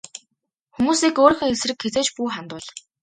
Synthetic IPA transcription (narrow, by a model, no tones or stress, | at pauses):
xumuːsiːkoːɾĭxɘ̆ŋesrɘ̆kxet͡seːt͡ɕpuːχant̪ʊːɮ